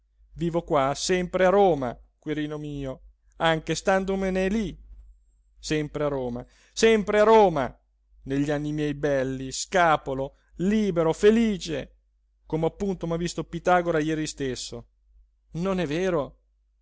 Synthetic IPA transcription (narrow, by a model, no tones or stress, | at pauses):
viːvokwasɛmpɾeaɾoːma̰kweɾiːnomiːo | aŋk̟est̪and̪omeneli | sɛmpɾeaɾoːma | sɛmpɾeaɾoːma̰ | neʎːianːimjɛjbɛlːiskaːpolo | liːbeɾofeliːt͡ʃḛ | koːmeapːunt̪omavist̪opit̪aːɡoɾajɛːɾist̪esːo | nonɛveːɾo